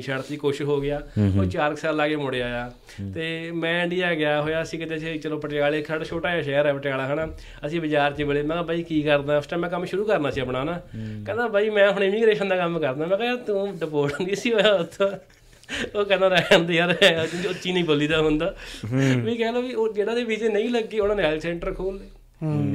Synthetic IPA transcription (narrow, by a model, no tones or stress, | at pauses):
ʃəɽt̪iːkoːʃɪʃɦoːɡɪjaːoːt͡ʃaːləksaːlːaːɡeːmʊɽeːaːjaː | t̪eːmɛ̃ːɪɳɖiaːɡɪjaːɦoːjaːəsĩːkɪt̪eːset͡ʃəlõːpəʈɪjaːleːsaːɽaːt͡ʃʰoːʈaːjaːʃɛːəɾɛːpəʈɪjaːlaːɦəːnaː | əsĩːbɪt͡ʃaːɾt͡ʃːbəleːmɛ̃ːbaːiːkiːkəɾd̪aːʊsʈãːmɛ̃ːkəmʃʊɾuːkəɾnaːsiːəpnaːnaːkɛ̃ːd̪aːbaːiːmɛ̃ːɦɽɪmiːɡɾeːʃənd̪aːkəmːkəɾd̪aːmɛ̃ːkɛat̪õːɖəpoːʈnd̪iːəsiːoːjaːʊt̪ʰːõ | oːkɛ̃ːd̪ãːɾɛənd̪iːɦəɾɛːʊ̃ʊt̪ːʃiːnəĩːboːliːd̪aːɦʊ̃nd̪aːʋĩːkɛːloːioːd͡ʒeːɽaːseːbiːd͡ʒeːnəĩːləɡːeːʊnaːnẽaːlsɛ̃ːɳʈəɾkʰoːleː